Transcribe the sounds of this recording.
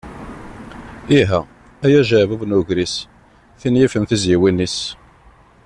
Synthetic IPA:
iɦæ | æjæʒəʕvuvnuʝɾis | θinjifənθizjiwinːis

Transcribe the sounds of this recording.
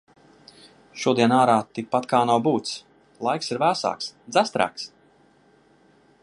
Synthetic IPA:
ʃuɔd̪iɛnaːɾaːt̪ik̚pat̪kaːnawbuːt̪s | lˠajksiɾvæːsa̰ːksd̪zæst̪ɾa̰ːks

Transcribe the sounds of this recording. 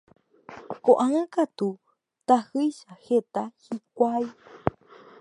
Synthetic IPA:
koʔãɨ̃kat̪u | t̪ahɨjʃahet̪ahikʷaj

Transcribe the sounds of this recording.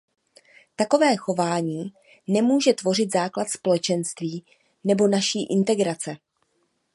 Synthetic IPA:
t̪ako̞vɛːxo̞vaːɲiː | nɛmuːʒɛt̪vo̞r̝ɪt̪zaːklat̪spo̞lɛt͡ʃɛnst̪viː | nɛbo̞naʃiːʔɪnt̪ɛɡɾat͡sɛ

